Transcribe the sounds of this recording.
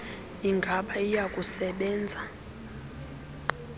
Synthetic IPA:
iŋɡʱaɓaijakʼusɛɓɛːnd͡zʱa

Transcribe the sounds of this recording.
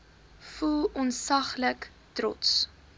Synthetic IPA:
fulˠɔnsɐχlək | tɾɔ̰ts

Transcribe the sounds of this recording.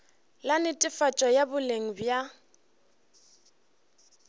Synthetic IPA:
lanɪtʼɪfat͡ʃʼɔjabʊleŋ̩bja

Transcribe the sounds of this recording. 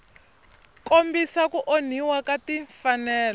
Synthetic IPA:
kombisakuʔon̤iwakatiɱfanɛːl

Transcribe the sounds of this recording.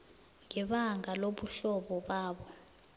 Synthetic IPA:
ŋɛɓaŋʱaloɓuɬɔɓɔɓaːɓɔ

